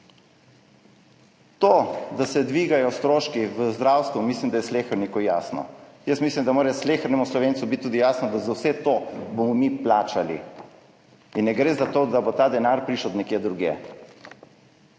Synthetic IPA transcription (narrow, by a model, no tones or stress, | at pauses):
t̪od̪asɛd̪ʋiːɡajɔst̪ɾoːʃkiʋəzd̪ɾawst̪ʋumislimd̪ajɛsleːxəɾnikojaːsnɔ̰jəsmiːslimd̪amoːɾaɛsleːxəɾnɛmuslɔʋeːntsubit̪̚t̪ːuːd̪ijaːsnɔd̪azawsɛt̪obomɔmiplaːt͡ʃalḭ | inːɛɡɾeːzat̪oːd̪abot̪aːd̪ɛnaːɾpɾiːʃəd̪nɛkjeːd̪ɾuɡḛː